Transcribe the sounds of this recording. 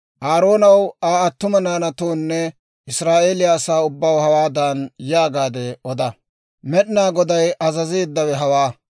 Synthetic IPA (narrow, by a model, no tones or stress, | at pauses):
ʔaːɾo̞ːnɐwaːɐt̪ːʊmɐnaːnɐt̪oːnːɛ | ʔɪsɾaːʔeːlɪjaːsaːʊbːɐwhɐwaːd̪aːnjaːɡaːd̪ɛʔɔd̪ɐ | mɛɗnaːɡɔd̪ɐjɐzɐzeːd̪ːɐwɛɦɐwaː